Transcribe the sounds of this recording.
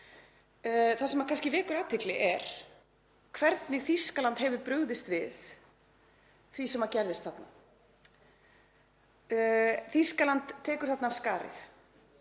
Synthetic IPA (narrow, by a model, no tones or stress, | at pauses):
θasɛmakʰanscɪvɛːkʏɾaːt̪ʰɪklɪʔɛɾ̥ | kʰvɛɾt̪nɪθiskalant̪hɛvʏɾpɾʏɣðɪst̪vɪð | θvisɛmaɾcɛɾðɪst̪θat̪na | θiskalant̪ʰːɛːkʏɾ̥θat̪naːv̥skaːɾɪ̰θ